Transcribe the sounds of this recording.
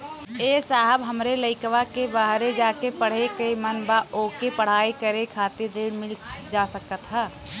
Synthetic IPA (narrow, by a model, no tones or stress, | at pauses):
esaɦəbɦəmɾeləɪkʋakebaɦɾed͡ʒaːkepəɽ̤ekemənbaʔoːkepəɽ̤aːekəɾekʰaːt̪ɪɾːeːɖmɪld͡ʒasəkət̪ɦɛː